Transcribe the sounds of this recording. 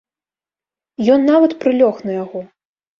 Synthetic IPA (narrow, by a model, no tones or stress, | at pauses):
jɔnːavɐt̪pɾɨlʲɔxnɐjaɣɔ